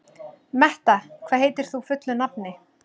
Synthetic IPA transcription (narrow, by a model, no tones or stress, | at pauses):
mɛht̪akʰvaːɦeːjt̪ɪɾ̥θufʏt̪lʏnap̚nɪ